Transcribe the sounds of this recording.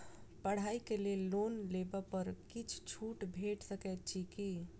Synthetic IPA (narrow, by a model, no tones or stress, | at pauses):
pəɽ̤aikelelonlebəpəɾkit͡ʃʰt͡ʃʰuʈbʱeʈsəkɛt̪̚t͡ʃʰiki